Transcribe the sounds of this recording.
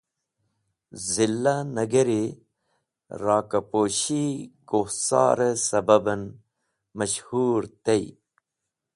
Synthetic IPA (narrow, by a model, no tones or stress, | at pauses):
zilːanɐɡeɾi | ɾɑːkɐpoːɕikohsɑ̰ːɾesɐbɐbɐn | mɐɕhuːɾt̪ej